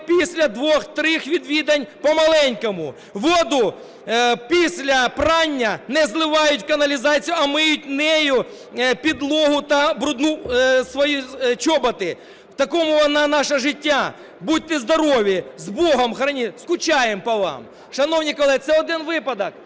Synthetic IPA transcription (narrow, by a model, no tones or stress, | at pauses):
pʲisʲlʲɐd̪ʋoxt̪ɾɪxʋʲid̪ʋʲid̪ɐnʲpɐmɐlˠɛnʲkɐmʊ | ʋod̪ʊ | pʲisʲlʲɐpranʲːɐnɛzlˠɪʋajʊtʲkɐnɐlʲɪzat͡sʲijʊɐmɪjʊtʲnɛjʊ | pʲid̪lˠoɦʊt̪ɐbɾʊd̪nusʋɐjit͡ʃɔbɐt̪ɪ | t̪ɐkomʊɐnanaʂɐʐɪtʲːa | bud̚ʲt̪ɪzd̪ɐɾoʋʲɪzboɦɐmxɾɐnʲiskʊt͡ɕajɪmpɐʋa̰m | ʂɐnownʲɪkɐlˠɛt̪sɛlˠd̪ʲɛnʋɪpɐd̪ɐk̚